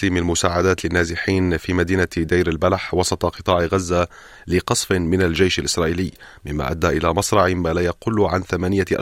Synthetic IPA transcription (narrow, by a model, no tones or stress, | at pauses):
limɪlmʊsaːʕad̪aːt̪lɪnːaːzɪħiːnfiːmad̪iːnad̪ajɾalbalħwɑsˤɑt̪ˤɑqɨt̪ˤɑːʕɣazːa | lɪqɑsˤfɪmɪnald͡ʒajʃalʔɪsɾˤɑːʔiːlɪjːmɪmːa̰ːʔad̪ːaːʔɪlamɑsˤɾˤɑʕɪmaːlaːjaqʊlʕanθamaːnɪjaʔa̰